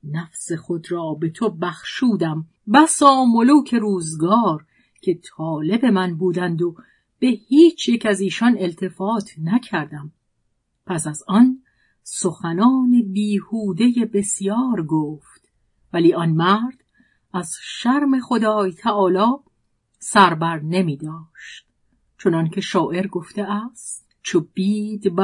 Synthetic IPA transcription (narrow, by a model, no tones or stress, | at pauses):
næfse̞xo̞d̪ɾɒːbe̞t̪ʰobæxʃuːd̪æm | bæsɒːmoluːcʰe̞ɾuːzɡɒːɾ | cʰe̞t̪ʰɒːle̞be̞mænbuːd̪ænd̪o̞ | b̥e̞hiːt͡ʃʰjecʰæziːʃɒne̞lt̪ʰe̞fɒːt̪ʰnæcʰæɾd̪æm | pʰæsæzɒn | soxænɒːnebiːhuːd̪e̞jebe̞sijɒːɾɡoːft̪ | væliːɒnmæɾd̪̥ | æzʃæɾme̞xod̪ɒːjt̪ʰæʔɒːlɒː | sæɾbæɾne̞miːd̪ɒːʃt̪̚ | t͡ʃʰo̞nɒncʰe̞ʃɒːʔe̞ɾɡo̞ft̪e̞ʔæst̪ | t͡ʃʰob̥iːd̪bæ